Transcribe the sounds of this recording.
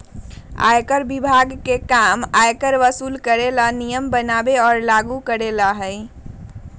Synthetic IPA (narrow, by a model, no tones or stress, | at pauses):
a̰jkəɾbibʱaɡkekamajkəɾʋəsuːlkəɾelanijəmbənabeɔːɾlaɡukəɾelaɦəj